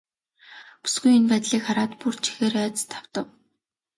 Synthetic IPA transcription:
pu̥sɡujɵnpæːt̪ɮiːkχaɾaːt̪pur̥t͡ɕʰi̥xeːɾœːt͡st̪ʰḁw̥t̪ə̆w

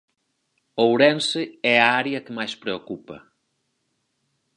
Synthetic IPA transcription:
owɾensɪɛɐaɾjɐkemajspɾeokupɐ̰

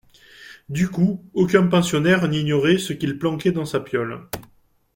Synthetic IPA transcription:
d̪ykuokʲɛ̃pɑ̃sjɔnɛʁniɲjɔʁesəkilplɑ̃kɛd̪ɑ̃sapjɔl

